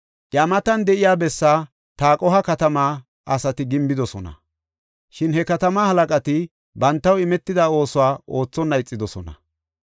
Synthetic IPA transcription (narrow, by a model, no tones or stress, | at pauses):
ʔjamɐt̪ɐnd̪ɛʔɪjaːbɛsːaː | t̪aːkʼɔɦɐkɐt̪ɐmaː | ʔɐsɐt̪ɪɡɪmbɪd̪ɔsɔnɐ̰ | ʃɪnhɛkɐt̪ɐmahɐlɐkʼɐt̪ɪ | bɐnt̪ːɐwɪmɛt̪ːɪd̪ao̞ːsʊwaːʔo̞ːt͡sːɔnːɐjt͡sʼːɪd̪ɔsɔnɐ̰